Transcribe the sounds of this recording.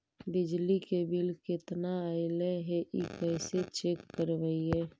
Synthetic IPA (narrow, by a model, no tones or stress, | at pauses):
bɪd͡ʒlikebɪlkɪt̪naəɪlɛɦɛʔikɛɪset͡ʃekːəɾʋəiɦɛː